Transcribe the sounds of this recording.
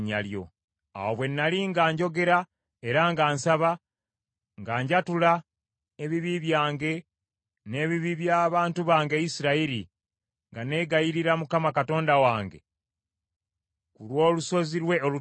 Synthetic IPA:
ɲa̰ljo̞̰ | a̰woβwe̞nːaliŋɡaːɲɟo̞ɡe̞ɾa | e̞ɾaŋɡaːnsaβa | ŋɡaːɲɟatula | eβiβiβjaːŋɡe̞ | ne̞ːβiβiβjaːβaːntuβaːŋɡe̞isiɾaiɾi | ŋɡane̞ːɡajiɾiɾamukamakato̞ːndawaːŋɡe̞̰ | kulwo̞ːluso̞ziɾwe̞olu

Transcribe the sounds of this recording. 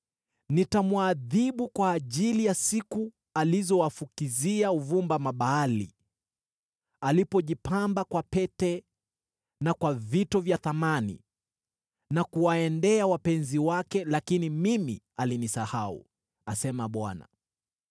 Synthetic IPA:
nitamwaðiɓukwaːʄilijasiku | alizɔwafukiziauvumbamaɓaːlḭ | alipɔʄipambakwapɛtɛ | nakwavitɔvjaθamanḭ | nakuwaɛndɛawapɛnziwakɛlakinimimḭ | alinisahaṵ | asɛmaɓwa̰na̰

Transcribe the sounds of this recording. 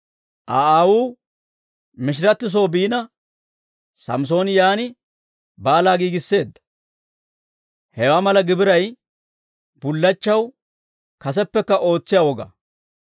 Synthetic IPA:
ʔaːaːwuː | mɪʃ̬ɪɾɐt̪ːɪs̬o̞ːbiːnɐ | sɐ̰ms̬o̞ːnjaːnɪ | baːlaːɡiːɡɪsːe̞ːd̪ːɐ̥ | hɛwaːmɐlɐɡɪbɪɾɐj | b̥ʊlːɐt͡ʃːɐw | kɐs̬ɛpːɛkːɐʔo̞ːt͡sːɪjaːwɔɡɐ̰

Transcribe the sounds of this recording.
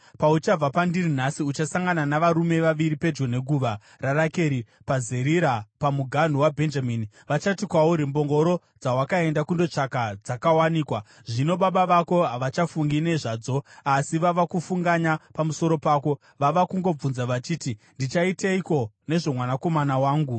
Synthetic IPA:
paut͡ʃab͡vapandirinasiut͡ʃasaŋɡananaʋaɾume̞ʋaʋiɾipe̞d͡ʒɡone̞ɡʱuʋa | rarake̞ɾi | pazeɾiɾapamuɡʱan̤uwabʱe̞nd͡ʒamini | ʋat͡ʃatikwauɾimbo̞ŋɡo̞ɾo̞ | d͡zawakae̞ndakundo̞t͡ʂakad͡zakawaniːkwa | ʐino̞ɓaɓaʋako̞ɦaʋat͡ʃafuŋɡine̞ʐaːd͡zo̞asiʋaʋakufuŋɡaɲapamuso̞ɾo̞paːko̞ | ʋaʋakuŋɡo̞b͡vunzaʋat͡ʃiːtindit͡ʃaiteiko̞ | ne̞ʐo̞mwanako̞manawaːŋɡu

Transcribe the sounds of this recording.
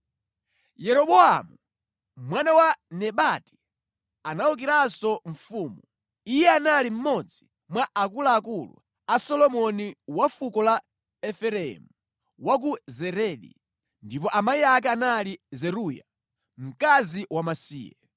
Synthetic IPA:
jɛɾɔɓɔa̰mu | mwanawanɛɓati̥ | anauk̬iɾasɔɱfuːmu | ijɛanalim̩mɔd͡zi | mwaʔakulaːkulṵ | asɔlɔmɔniwafukɔla | ɛfɛɾɛ̰mu | wak̬uzɛɾɛɗḭ | ndip̬ɔʔamaiak̬ɛanalizɛɾuja | m̩kaziwamasḭːjɛ̰

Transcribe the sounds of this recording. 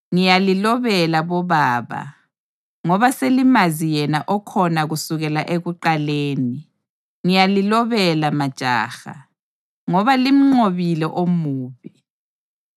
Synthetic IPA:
ŋijalilɔβɛlaβɔβaːβa̰ | ŋɔβaselimazijɛnaʔɔkʰɔnaɣusuɣɛlaʔeɣuǃaleːni | ŋijalilɔβɛlamad̥ʒ̥ʱa̰ːxa̰ | ŋɔβalim̩ŋ͡ǀoβilɛʔomuːβi

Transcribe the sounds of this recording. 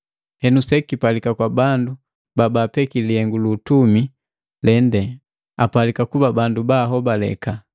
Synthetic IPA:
hɛnusɛkipalikakwabandu | babaːpɛkiliɛŋɡuluːtumi | lɛndɛ | a̰palikakubabandubaɦɔbalɛ̰ka

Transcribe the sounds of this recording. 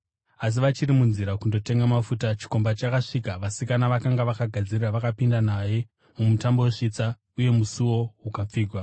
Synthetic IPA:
as̬iʋat͡ʃirimunziɾakundo̞te̞ŋɡamafutat͡ʃi̥ko̞mbat͡ʃakaʂiːkaʋasikanaʋakaŋɡaʋakaɡʱad͡ziriraʋakapindanaje̞ | mumutambo̞weʂit͡sa | uje̞musuwo̞ɦukap͡fiːɡʱwa

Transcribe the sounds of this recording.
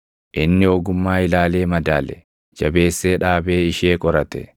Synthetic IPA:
ʔɪnːɪɔɡʊmːaːɪlaːle̞ːmɐd̪aːlɛ̰ | d͡ʒɐbe̞ːsːeːᶑaːbeːɪʃeːkʼɔɾɐt̪ɛ̰

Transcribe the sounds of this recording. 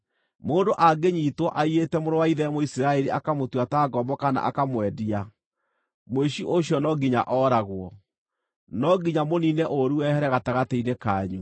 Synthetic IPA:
moːndoʔaɡeɲiːtwɔʔaietɛmoɾowaiðɛmoisiɾaeɾiakamotwataɡɔmbɔkana̰ʔa̰kamwɛdia | moeʃiʔoɕjɔnɔɡiɲa̰ʔɔːɾaɣwɔ | nɔɡiɲamoninɛʔoɾuɛhɛɾɛɣataɣateinekaːɲu

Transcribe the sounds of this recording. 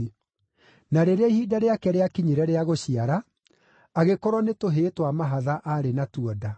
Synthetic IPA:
naɾeɾehiːdaɾeakɛɾeakiɲiɾɛɾeaɣoɕiaɾaː | ɣekɔɾɔnetoɦetwamaɦaðaʔaɾenatuɔda

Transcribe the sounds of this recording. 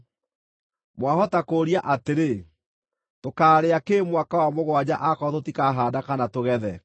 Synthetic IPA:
mwaɦɔtakoːɾiaʔateɾe | tokaːɾeakeːmwakawamoɣwad͡ʑaʔakɔtotikaɦaːdakanatoɣɛðɛ

